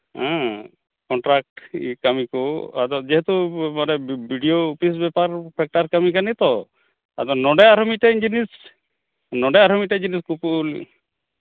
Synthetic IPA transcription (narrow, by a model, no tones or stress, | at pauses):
ɛ̃ | kɔɳʈɾak̚ʈikamikua̰d̪ɔd͡ʒɛɦɛt̪umanɛbʱiɖioupis̬bɛpaɾpʰɛk̚ʈaɾkamikanit̪ɔ | ad̪ɔnɔɖɛaɾɔmiʈɛind͡ʒinis | nɔɖɛaɾɔmiʈɛd͡ʒiniskupuʔlḭ